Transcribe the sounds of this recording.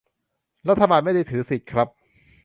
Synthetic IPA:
ɾa˦˥t̪ʰːa˧baː˧nma˥˩jdaː˧t̪ʰɯː˩˦si˨˩t̪̚kʰɾa˦˥p̚

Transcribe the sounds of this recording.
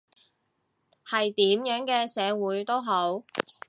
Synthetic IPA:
hɐ˨jt̪iː˨˥mjœː˨˥ŋkɛː˧sɛː˨˧wuː˨˧˥jt̪o˥wɦo˨˥w

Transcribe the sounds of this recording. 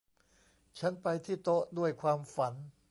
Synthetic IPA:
t͡ɕʰa˦˥npa˧jt̪ʰiː˥˩t̪o˦˥ʔdu˥˩əjkʰwaː˧mfa˩˦n

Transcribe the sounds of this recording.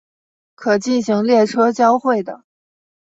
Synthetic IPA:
kʰɤ˨˩t͡ɕi˥˩nɕi˧˥ŋljɛ˥˩ʈ͡ʂʰɤ˥t͡ɕjɑ˥ʊxwe˥˩ɪd̪ə˩

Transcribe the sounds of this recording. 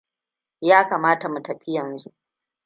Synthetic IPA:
jaː˦kaː˨maː˦ta˨mu˨tɐ˨ɸɪ˦jɐ˨nzu˦ʔ

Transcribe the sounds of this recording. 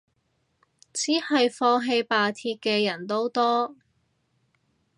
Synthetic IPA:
t͡siː˨˥hɐ˨jfɔː˧ɦe˧jpaː˨t̪ʰiː˧t̚kɛː˧jɐ˨˩nt̪o˥wt̪ɔː˥

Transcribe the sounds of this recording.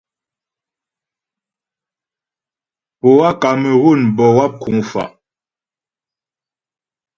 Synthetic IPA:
po˨wa˦ka˨mə˨ɣu˦˨nbɔ˨wa˦p̚ku˨˦ŋfa̰˨ʔ

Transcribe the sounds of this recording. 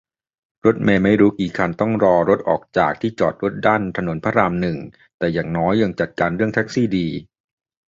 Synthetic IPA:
ɾo˦˥t̪̚meː˧˩ma˥˩jɾuː˦˥kiː˨˩kʰa˧nt̪ɔ˥˩ŋɾɔː˧ɾo˦˥t̪̚ʔɔ̰ː˨˩k̚t͡ɕaː˨˩k̚t̪ʰiː˥˩t͡ɕɔ̰ː˨˩t̪̚ɾo˦˥t̪̚daː˥˩nt̪ʰa˧no˩˦npʰa˧˥ɾaː˧mnɯ˨˩ŋ | t̪ɛː˨˩jaː˨˩ŋnɔː˦˥jːa˧ŋt͡ɕa˨˩t̪̚kaː˧nɾɯ˥˩əŋt̪ʰɛ˦˥k̚siː˥˩diː˧

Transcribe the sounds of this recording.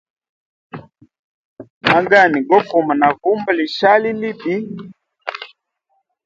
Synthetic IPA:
ma˦ŋɡa˦˨ni˨ɡɔ˦ku˨ma˨na˨vu˦mba˦˨li˨ʃa˦li˦li˦bi˦

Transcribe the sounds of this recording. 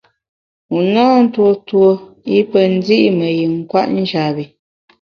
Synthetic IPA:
u˨naː˦n̩˦two˦two˦i˦pə˨n̩˦di˦ʔmə˨ji˨ŋ̩˦kwa̰˦ʔn̩˦d͡ʒa˨bi˨

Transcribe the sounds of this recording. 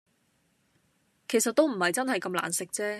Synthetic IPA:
kʰe˨˩jsɐ˨t̪̚ːo˥wm̩˨˩hɐ˨jt͡sɐ˥nɦɐ˨jkɐ˧mla̰ː˨˩nsɪ˨k̚t͡sɛː˥

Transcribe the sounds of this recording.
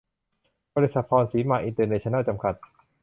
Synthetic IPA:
bɔː˧li˧˥sa˨˩t̪̚pʰɔː˧nsiː˨˩˦maː˧ʔi˧nt̪ɤː˧neː˧t͡ɕʰɔ˧na˥˩t͡ɕa˧mkʰa˨˩t̪̚

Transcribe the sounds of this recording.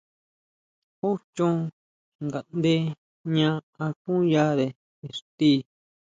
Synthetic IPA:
u˦t͡ʃũ˦ | ŋɡa˨nd̪e˦ | ɲã˧a˧kũ˦ja˦ðe˨ | e˨ɾt̪i˦

